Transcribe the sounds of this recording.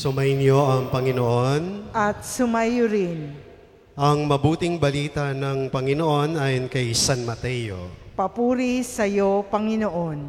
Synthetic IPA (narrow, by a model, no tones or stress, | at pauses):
sʊmajnjoʔɐŋpɐŋɪnoʔonʔɐt̪̚sʊmajʊɾɪn | ʔɐŋmɐbuːt̪ɪŋbɐliːt̪ɐnɐŋpɐŋɪnoʔo̞nʔaːjonkɐjsanmɐt̪ɛjo̰pɐpuːɾisɐjopɐŋɪnoʔon